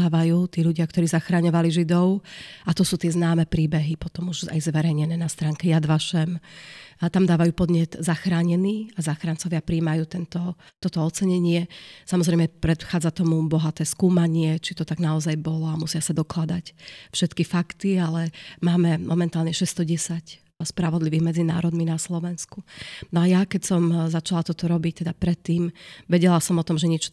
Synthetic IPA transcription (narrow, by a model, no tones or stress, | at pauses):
aːʋajuːt̪iːʎuɟɪak̚t̪ɔɾiːzaxɾaɲɔʋaliʒid̪ɔʊat̪ɔsuːt̪ɪɛznaːmɛpɾiːbɛɦipɔt̪ɔmuʒa̰jzʋɛɾɛjɲɛnɛːnast̪ɾaːŋkɛjad̪ʋaʃɛm | t̪amd̪aːʋajuːpɔd̪ɲɪɛd̪zaxɾaːɲɛniːazaxɾant͡sɔʋɪapɾiːmajuːt̪ɛnt̪ɔt̪ɔt̪ɔɔt͡sɛɲɛɲɪɛsamɔzɾɛjmɛpɾɛt̪xaːd͡zat̪ɔmubɔɦat̪ɛːskuːmaɲɪɛt͡ʃit̪ɔt̪aɡnaɔzajbɔlɔamusɪasad̪ɔklad̪acfʃɛt̪kifakt̪ialɛmaːmɛmʔɔmɛnt̪aːlɲɛʃɛst̪ɔɟɛsac | spɾaʋɔd̪liʋiːɣmɛd͡zina̰ːɾɔd̪minaslɔʋɛnskunɔajakɛcsɔmzat͡ʃalat̪ɔt̪ɔɾɔbic̚t̪ɛd̪apɾɛt̪ːiːmʋɛɟɛlasɔmɔt̪ɔmʒɛɲɛt͡ʃ